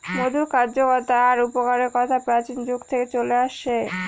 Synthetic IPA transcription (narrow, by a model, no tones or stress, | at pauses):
mod̪ʱuɾkaɾd͡ʑokɔɾt̪aaɾupokaɾeɾkɔt̪ʰapɾat͡ɕind͡ʑoɡt̪ʰeket͡ɕoleaʃe